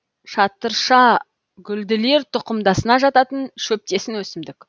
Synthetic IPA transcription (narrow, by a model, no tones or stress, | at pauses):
ʃɑt̪ːəɾʃɑ | ɡʲʏld̪ɪle̞ɾt̪ʰʊqəmd̪ɑsənɑʒɑt̪ɑt̪ənʃɵp̚t̪e̞sɪnwɵsɪmd̪ɪk